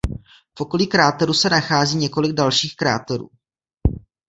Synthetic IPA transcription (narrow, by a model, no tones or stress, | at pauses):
fʔo̞ko̞likɾaːt̪oɾusɛnaxaːziːɲɛko̞lɪɡ̚dalʃiːxkɾa̰ːt̪oɾṵː